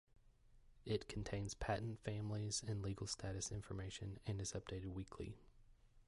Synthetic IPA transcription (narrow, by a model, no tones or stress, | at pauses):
ɪt̚kʰn̩tʰẽɪ̃nz̥pʰæʔn̩tfæ̃mlizɨ̃nliɡl̩ˠstʰæɾɨsɪ̃ɱfə˞meɪʃɨ̰̃nɨ̃nɨzʌp̚d̥eɪɾɨd̚wikʰlḭ